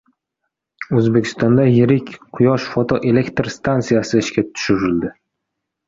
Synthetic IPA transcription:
ɵzbe̞kʲʰɪ̥st̪ɒnd̪ajɪɾɪkʲqʰʊjɒʃfot̪ʰoʔe̞le̞kt̪ɾst̪ʰant̪sijasɪːʃkʲat̪ʰʊ̥ʃɪɾɪld̪ɪ

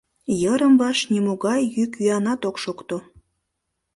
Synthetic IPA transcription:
jəɾəmvɑʃnimoɣɑjjykyɑnɑt̪okʃokt̪o

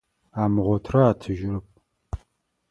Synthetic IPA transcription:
aːmɨʁʷɔtʰrɐaːtʰɨʒɪɾɨp̚ʼ

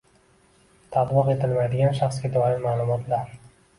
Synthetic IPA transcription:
t̪ʰat̪bɨqe̞t̪ʰɪlmajd̪ɪɡʲanʃaχsɡʲad̪ɒɾɪlmaːlˠʊmɒt̪ʰlaɾ

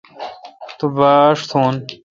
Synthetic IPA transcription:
t̪ubaːʂt̪ʰuːn

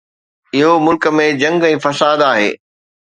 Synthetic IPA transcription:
ɪɦomʊlkə̆mẽd͡ʑɐ̃ŋɡɛ̃ːfɐsaːd̪aːɦḛː

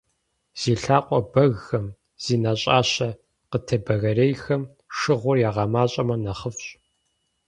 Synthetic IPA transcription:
z̥iːɬaːqʷʼɔbɐɣxɐm | z̥iːnaɕʼaːɕɐ | qətʰɐbɐɣɐreːjxɐm | ʂɨʁʷʊrjaːʁɑmaːɕʼɐmɐnɐχəfɕʼ

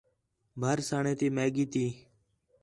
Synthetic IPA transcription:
bʱəɾsaːɳẽːt̪iːmeːɡiːt̪iː

